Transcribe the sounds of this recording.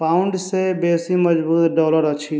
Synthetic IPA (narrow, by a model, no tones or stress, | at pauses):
pauɳɖsebeːsiməd͡ʒbuːt̪ɖɔːləɾət͡ʃʰi